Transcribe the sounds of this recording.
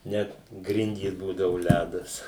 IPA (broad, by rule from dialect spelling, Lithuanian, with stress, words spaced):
ˈnʲɛt ˈɡrʲɪnʲdʲiːs ˈbuːdɐʋʊ ˈlʲædɐs